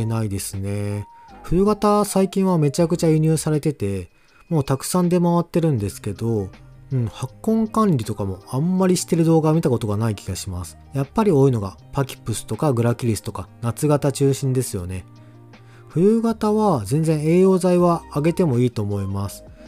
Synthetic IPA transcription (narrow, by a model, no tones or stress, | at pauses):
naid̪e̞sɨne̞ɸɯ̟jɯ̟ɡat̪asaikʲĩɰ̃βame̞t͡ɕakɯ̟t͡ɕajɯ̟ɲ̟ɨːsaɾe̞t̪e̞t̪e̞ | mo̞ːt̪akɯ̟̥sãnd̪e̞maβat̪ːe̞ɾɯ̟̃nd̪e̞sɨ̥ke̞d̪o̞ | ɯ̟̃ɴhakːõ̞ŋkãnʲɾʲit̪o̞kamo̞ãmːaɾʲiɕi̥t̪ːe̞ɾɯ̟d̪o̞ːɡamʲit̪ako̞t̪o̞ɡanaikʲiɡaɕimasɨ̥japːaɾʲio̞ːi̟no̞ɡa | pakʲi̥pːɯ̟sɨ̥t̪o̞kaɡɯ̟ɾakʲiɾʲisɨ̥t̪o̞kanat͡sɨɡat̪at͡ɕɨːɕĩnd̪e̞sɨjo̞ne̞ | ɸɯ̟jɯ̟ɡat̪aβazẽ̞nzẽ̞ɰ̃e̞ːjo̞ːzaiβaːɡe̞t̪e̞mo̞iːt̪o̞ːmo̞imasɨ̥